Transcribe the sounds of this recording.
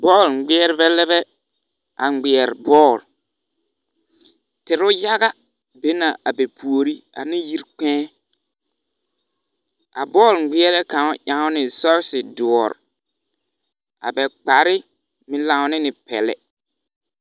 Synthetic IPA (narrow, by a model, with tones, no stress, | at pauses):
bɔː˦˨lɡ͡bɪ˦ɛ˦ɾbɛ˦lɛ˦bɛ˦ | a˨ŋ͡mɡ͡bɪ˨ɛ˨ɾbɔː˦˨l | tɪ˨ɾʊ˦ja˦ɣa˦ | be˦na˨ʔa˨be˨pʰu˨o˨ɾi˦a̰˨nɪ̃˦ji˦ɾk͡pɛ̃ː˦ | a̰˨bɔː˦˨lɡ͡bɪ˦ɛ˦lɛ˦ka˨ŋʊ˦ʔã˨˦ŋʊ˦nɪ˨sɔ˦ɾsɪ˨dʊ˨ɔ˨ɾ̰ | a̰˨bɛ˨k͡pa˨ɾɪ˦ | mɪ̃˨lã˨ʊ˨˦nɪ˦nɪ˨pɛ̰˨lɛ̰˨